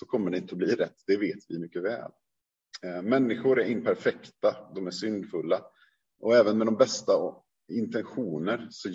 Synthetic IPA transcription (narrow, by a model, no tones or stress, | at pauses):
sɔkʰɔmːəɖɛɪnt̪əɔbliːɾɛt̪ːd̪̥ɛveːt̪vɪmʏkːəvɛ̰ːl | mɛnːɪɧʊɾæɾɪnpʰæɾfɛkt̪ad̪ɔmæʂʏnd̪fɵlːa | ʔɔɛːvənmɛd̪ɔmbɛst̪a | ɪnt̪ɛnɧuːnəɾsɔ